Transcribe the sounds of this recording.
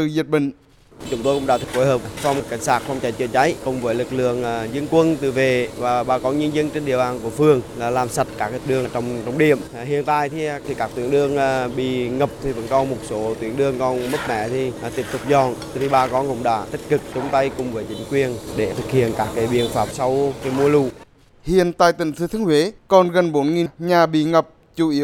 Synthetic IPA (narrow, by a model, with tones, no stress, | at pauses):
t̪ɨ˨˩zi˨˩t̚ɓï˨˩ŋ̟ | t͡ɕʊ˨˦ŋ͡mt̪o˧jkʊ̰˧˥ŋ͡mɗa̰ː˧˩ɨ̥˨˧˩k̚fo˧˦jhəː˨˩p̚fa˧wŋ͡mkːa˧˩jŋ̟saː˦˥t̚fa˧wŋ͡mt͡ɕa˧˨˩j̚t͡ɕəː˧˨˩t͡ɕa˨˦jkʊ˨˩ŋ͡mvəː˨˦jlɨ˨˩k̚lɨ̰˧˨əŋ˨zə˧ənkwə˧nt̪ɨ˨˩ve˨˩vaː˨˩ɓaː˧˩kɔ˨˧˦ɲɨ˧ənzə˧nt͡ɕe˧nɗḭ˧˨əwɓaː˨˩nku˧˩əfɨ˨˧˩əŋlaː˨˩laː˨˩msa˨˩t̚kaː˦˥k̚ːɗɨ˨˧˩ə˨˩t͡ɕɔ˧wŋ͡mt͡ɕɔ˧wŋ͡mɗi˧˩˨əm | ɦhḭ˧˨ənt̪a̰ː˧˨jt̪ʰi˧ti˧˩kaː˦˥kt̪wi˧˩ənɗɨ˧əŋː˧ɓḭ˧˨ŋə˨˩p̚t̪ʰi˨˩və̰˧˥nkɔ˨˦mo˨˩t̚so˨˦t̪wi˨˦ənɗɨ˧əŋkɔ˧nmə˦˥t̚mɛ̰˧˩˨t̪ʰi˨˩t̪i˦˥əp̚t̪ʊ˨˩k͡p̚zɔ˨˩n | t̪ʰi˨˩ɓaː˧˩kɔ˨˦ŋʊ̰˧˥wŋ͡mɗa̰ː˧˩t̪ï˦˥k̟̚kɨ˨˩k̚t͡ɕʊ˨˦ŋ͡mt̪ə˧jkʊ˨˩ŋ͡mvəː˨˦jt͡ɕï˨˦ŋ̟kwi˨˩ənɗe˧˩t̪ʰɨ˨˩k̚hḭ˧˨ənkaː˦˥k̚ːaː˨˦jɓḭ˧˨ənfaː˧˩p̚sa˧wkaː˨˦jmu˧əlṵ˧˨ | hḭ˧˨ənt̪a̰ː˧˨jt̪ï˧˩ŋ̟sɨ˧˦t̪ʰŋhwe˨˦kɔ˨˩nɣə˨˩nɓo˨˦nŋi˨˩ɲaː˨˩ɓḭ˧˨ŋə˨˩p̚ | t͡ɕu˧˩ʔi˨˦ə